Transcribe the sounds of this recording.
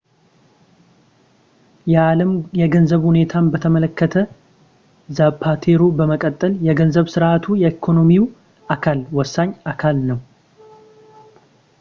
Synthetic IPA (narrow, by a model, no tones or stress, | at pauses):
jɛaləmjɛɡənzəβhune̞t̪ʰanbət̪ʰəmələkːət̪ʰə | zapʰːat̪ʰeɾubəməkʼət̪ʼːəljɛɡənzəβsɨɾʔat̪ʰujɛekʰo̞no̞miw | ʔakʰalwɔsːaɲːakʰalnəw